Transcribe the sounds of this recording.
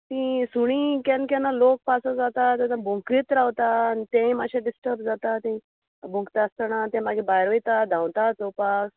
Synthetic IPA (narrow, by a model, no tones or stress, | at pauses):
t̪ĩsuɽ̃iːkãnkanːalok̚pasəd͡zat̪at̪janãbʱõŋkɾit̪ɾawt̪aːnit̪ẽĩmaɕãɖisʈəɾpd͡zat̪at̪ẽ | bũkt̪ast̪anat̪ɛ̃maɡibajɾʋojt̪ad̪ʱãwt̪at͡sowpas